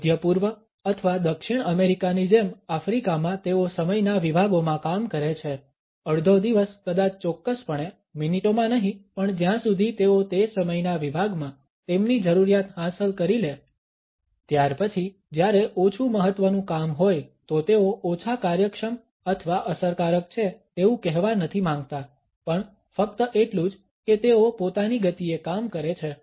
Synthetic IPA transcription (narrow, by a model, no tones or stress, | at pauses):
d̪ʱjəpuɾʋə | ət̪ʰəʋad̪əkʃiɳəmeɾikanid͡ʒemafɾikamãt̪eosəməjnaʋibʱaɡomãkamkəɾet͡ʃʰe | əɽd̪ʱod̪iʋəskəd̪at͡ʃt͡ʃɔkːəspəɳ̃e | miniʈomãnəɦĩpəɳd͡ʒjãsud̪ʱit̪eot̪esəməjnaʋibʱaɡmã | t̪emnid͡ʒəɾuɾijat̪hãsəlkəɾile | t̪jaɾpət͡ʃʰi | d͡ʒjaɾeʔot͡ʃʰuməɦət̪ːʋənũkamɦojt̪ot̪eoʔot͡ʃʰakaɾjəkʃəm | ət̪ʰʋaʔəsəɾkaɾək̚t͡ʃʰet̪eũkɛɦʋanət̪ʰimãŋɡ̚t̪a | pəɳ | fəkt̪əʔeʈlũd͡ʒ | ket̪eopot̪aniɡət̪iekamkəɾet͡ʃʰe